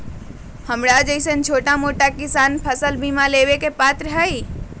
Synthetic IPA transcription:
həmɾad͡ʒəɪsənt͡ʃʰoːʈamoʈakɪsanpʰəsəlbimalewekepat̪ɾəɦəi

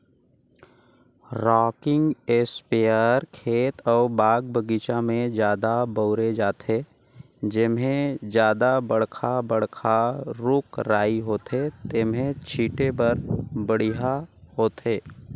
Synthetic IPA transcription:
ɾɔːkɪ̃ŋɡeːspejəɾkʰeːt̪ɔːɾbaːɡbəɡit͡ʃamẽd͡ʒjaːd̪abəʊɾed͡ʒaːt̪ɦe | d͡ʒɪmɦẽd͡ʒjaːd̪abəɽkʰabəɽ̤kʰaɾʊkɾaːiɦoːt̪ɦet̪ɪmɦẽt͡ʃʰiːʈebəɾbəɽ̤iɦahoːt̪ɦeː

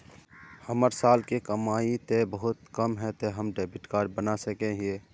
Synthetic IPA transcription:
həməɾsaːlkekəmaːit̪ebəɦʊt̪kəmɦɛt̪eɦəmɖebɪʈkaːɾɖ̚bənasəkẽɦe

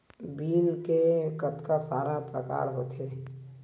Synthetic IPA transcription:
biːlkekət̪kasaːɾapɾə̰ka̰ːɾɦoːt̪ʰe

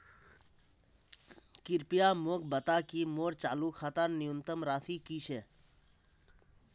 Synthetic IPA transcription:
kɪɾpijaːmoːk̚bət̪aːkimoːɾt͡ʃaːluːkʰat̪aɾnɪjunt̪əmɾaːt̪ʰiːkiʃʰeː

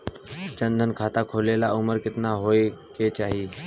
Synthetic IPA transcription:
t͡ɕə̃nd̪ʱənkʰaːt̪akʰolelaʔʊməɾkɪt̪naɦoeket͡ɕaːɦiː

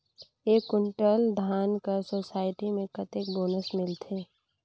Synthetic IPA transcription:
eːkʊɳʈəld̪ʱaːnkəsoːsaːɪʈimẽkət̪ekboːnəsmɪlt̪ʰeː

